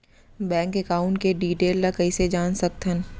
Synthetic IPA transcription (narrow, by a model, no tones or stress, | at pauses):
bɛ̃ːŋkekaːʊ̃ɳʈ̚keɖiːʈeːlːakɐised͡ʒaːnsɐk̚t̪ɦən